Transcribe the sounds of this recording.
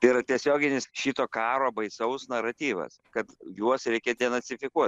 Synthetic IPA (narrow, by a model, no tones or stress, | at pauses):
iːɾɐt̪ʲiɛsʲoːɡʲɪnʲɪsʃʲiːt̪oːkɑːɾoːbɐɪsɐʊsnɐɾɐt̪ʲiːʋɐ̰skɐt̪juɔsɾʲɛɪkʲed̪ʲiɛnɐt͡s̪ʲɪfʲɪkuɔt̪